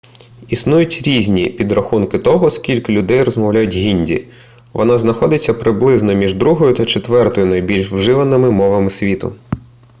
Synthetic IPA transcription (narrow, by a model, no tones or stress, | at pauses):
isnujʊtʲɾʲizʲnʲipʲid̪ɾɐxunkɪt̪ɔɦɔskʲilʲkɪlʲʊd̪ɛjɾɔzmɐwlʲajʊtʲɦʲinʲdʲḭ | ʋɔnɑznɐxɔd̪ɪt͡sʲːɐpɾɪblˠɪznɔmʲiʒd̪ɾuɦɔjʊt̪ɐt͡ʃet̪ʋɛrt̪ɔjʊnɐjbʲilʲʃwʒɪʋɐnɪmɪmɔʋɐmɪsʲʋʲit̪ʊ̰